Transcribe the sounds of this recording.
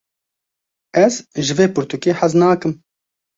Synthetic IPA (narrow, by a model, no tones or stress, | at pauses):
ɛzʒɨveːpʊɾt̪ukeːħaznaːkɨm